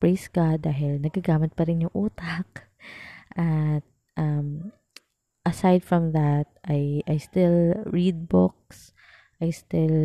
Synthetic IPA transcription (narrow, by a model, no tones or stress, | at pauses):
pɹejskɐd̪aːɦɪlnɐɡ̚kɐɡaːmɪt̪̚pɐɾɪnjʊŋʔuːt̪ɐk̚ | ʔɐt̪̚ | ʔɐm | ʔɐsajd̪fɹɐmðɐt̪̚ʔɐjɐjst̪ɪlɹid̪̚bok̚s | ʔɐjst̪ɪl